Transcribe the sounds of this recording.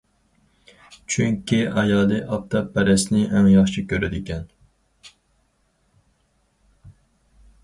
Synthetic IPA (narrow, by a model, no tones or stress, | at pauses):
t͡ʃʰyŋkʲiʔɑjɑːd̪ɨʔɑp̚t̪ʰɑpʰɛɾɛsnɪɛmjɑχt͡ʃʰikʲʰøɾɪd̪ɪkʲɛn